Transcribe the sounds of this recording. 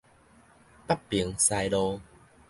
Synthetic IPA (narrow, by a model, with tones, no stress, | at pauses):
pa˦˩ppːi˨˩˦ŋsa˧jlɔ˧